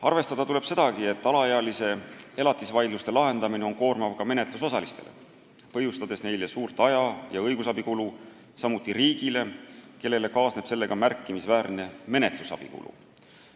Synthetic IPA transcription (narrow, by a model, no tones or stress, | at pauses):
ɑ̰rve̞st̪ɑd̪ɑt̪ule̞b̥se̞d̪̥ɑɡie̞t̪ːɑlɑeɑlise̞elɑt̪ːˑisvɑjd̪lust̪e̞lɑɦe̞nd̪̥ɑmine̞o̞nko̞ːrmɑvkɑme̞ne̞t̪luso̞sɑlist̪e̞le̞̰ | pɤ̞ɦjust̪ɑd̪̥e̞sne̞jlesuːrt̪ˑɑjɑjɑɤjɡusɑbikulu | sɑmut̪ˑːiriːɡ̥ile̞ke̞lːe̞le̞kɑːsne̞b̥se̞lːe̞ɡ̥ɑmærkˑːimisvæːɾne̞me̞ne̞t̪lusɑ̰b̥ḭkṵlṵ